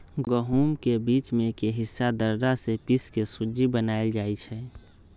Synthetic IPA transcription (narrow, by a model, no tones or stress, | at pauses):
ɡəɦumkebiːt͡ʃmẽkeɦɪsːad̪əɾd̪asepiskesud͡ʒibənaeld͡ʒaːit͡ʃʰɛ